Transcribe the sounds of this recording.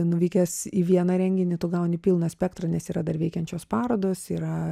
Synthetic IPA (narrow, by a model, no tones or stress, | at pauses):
nʊʋʲiɪkʲɛsiːʋʲiɛnɐɾʲɛŋʲɡʲɪnʲɪt̪ʊːɡɐʊnʲɪpʲiːlˠnɐsʲpʲɛkt̪rɐnʲɛsiːɾɐd̪ɐrʋʲɛɪkʲɛnʲt͡ʃʲoːspɑːɾoːd̪oːsiːɾɐ